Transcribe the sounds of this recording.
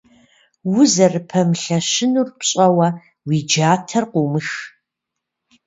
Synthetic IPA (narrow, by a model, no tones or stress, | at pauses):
wʊzɐrɨpʰɐmɬɐʃɪnurpɕʼɐwɐ | wiːd͡ʒaːtʰɐrqʷumɨx